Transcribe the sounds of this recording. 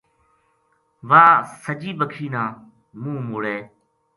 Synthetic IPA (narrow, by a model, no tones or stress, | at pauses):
ʋaːsəd͡ʒiːbəkʰiːnãː | mũːmʊɽeː